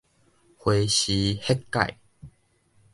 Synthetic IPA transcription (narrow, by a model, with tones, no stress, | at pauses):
hwe˧ɕi˨˦he˦˥kːa̰˨j